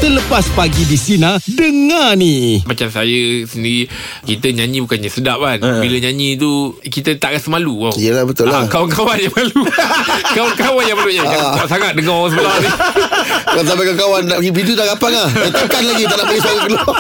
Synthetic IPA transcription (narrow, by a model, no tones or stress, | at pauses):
t̪ələpaspaɡidisinãdəŋanimat͡ʃamsajəsəndiɾi | kit̪əɲaɲĩbukanɲəsədap̚anbiləɲaɲĩt̪̬ukit̪ət̪aʔkasəmaluaijəlahbət̪ʊllakawankawanjaŋmalukawankawanjaŋmalujaaaaʔsaŋat̪̚dəŋɔsəbəlani | kat̪̬abakaŋkawanaɡipidut̪aʔɡapaŋahjat̪akanlaɡit̪aʔnaʔpaɡisaɣaklo